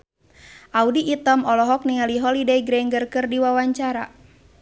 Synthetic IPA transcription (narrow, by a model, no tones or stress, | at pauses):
ʔaudiʔːt̪ɔmɔlɔɦɔk̚niŋaliɦɔlideiɡɾɛŋɡərkɨrdiwawaɲt͡ʃaɾa